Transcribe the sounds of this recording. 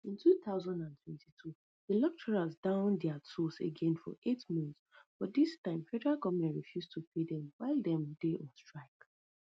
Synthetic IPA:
ĩntʰuθaʊzãndãntʰwɛ̃ntʰitʰu | ðəlɔk̚t͡ʃɛɹazdãʊ̃ndɛətʰɔsḛɡɛ̃nfɔ̰ʔetmɔ̃nθ | b̥ɔt̚distãɪ̃mfɛdəɹalɡɔvmɛ̃ntɹifjustʰupʰedɛ̃mwaɪlˠdɛ̃mdeʔɔ̃nstɹ̥aɪk

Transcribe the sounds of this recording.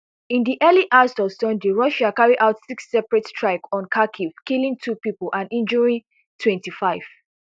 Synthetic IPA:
ĩndiʔɛliʔastɔvsɔ̃ndeɹɔʃakaɹiʔaʊtsiksːɛpɹɛttɹaɪkɔ̃nkʰakʰiv̥kilĩŋtʰupipɔlʔãnĩnd͡ʒɔɹĩn | tʰwɛ̃ntifaɪv̥

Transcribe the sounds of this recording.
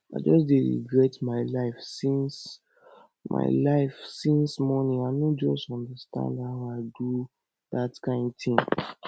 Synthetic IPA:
a̰ɪd͡ʒɔsdeɹḭɡɹɛtmaɪlaɪfsĩns | mʔa̰ɪlaɪfsĩnsmɔnĩaɪdõd͡ʒɔstɔ̃ndəstã̰ndhaʊaɪdu | ðatkãɪ̃ndθĩŋ

